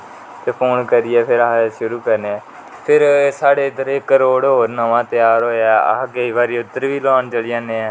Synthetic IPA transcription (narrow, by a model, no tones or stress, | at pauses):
t̪eːpʰoːnkəɾɪɛːpʰɪɾəɦʃʊɾuːkəɾneɛː | pʰɪɾsaːɽeːt̪əɾeːkəɾoːɽɦoːɾnəʋãːt̪ɪjaːɾɦoːaːə̰keiːʋaːɾiːʊd̪əɾʋiːlɔːɳt͡ʃəlɪjãːneːɛː